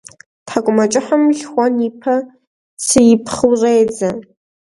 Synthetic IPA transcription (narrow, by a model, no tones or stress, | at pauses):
tħakʷʼmat͡ʃʼɪħamɮʲχʷanipʰa | sɨjipʰχəwrejd͡za